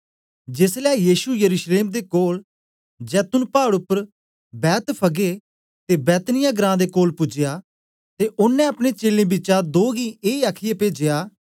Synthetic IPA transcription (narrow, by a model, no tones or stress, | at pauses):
d͡ʒɪslɛːjiːʃujəɾuːʃleːmd̪eːkoːl | d͡ʒɛːt̪ʊnpaːɽʊpːəɾ | bɛːt̪pʰəɡe | t̪eːbɛːt̪nɪjaːɡɾãːd̪eːkoːlpʊd͡ʒɪjaː | t̪eːʔʊnːɛ̃ɐpɽ̃eːt͡ʃeːlẽːbit͡ʃad̪oːɡĩːeːaːkʰɪjepeːd͡ʒɪjaː